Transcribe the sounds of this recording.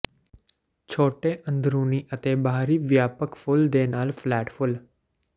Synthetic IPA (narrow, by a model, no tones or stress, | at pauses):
t͡ʃʰoːʈeʔə̃nd̪ɾũniʔət̪ebʱaɾiʋjapəkfʊld̪enaːlflɛʈfʊl